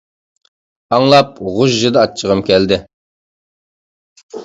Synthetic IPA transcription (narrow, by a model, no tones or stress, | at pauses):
ɑŋlˠɑp̚ʁʊʒʒɨd̪ɨɑt͡ʃʰːəʁəmkʲʰɛld̪ɪ